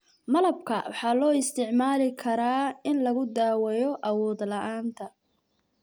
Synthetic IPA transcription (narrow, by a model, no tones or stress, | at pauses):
mɐlɐb̚kʰɐ̰wɑħɑːlɔːɪst̪ʰɪʕmaːlɪkʰɐɾaːɪnlɐɣʊd̪aːwɛjɔʔɐwɔːd̪lɐʔaːnt̪ʰɐ